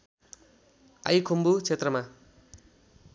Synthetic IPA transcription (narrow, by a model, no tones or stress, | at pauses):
a̰jkʰombut͡sʰet̪rʌma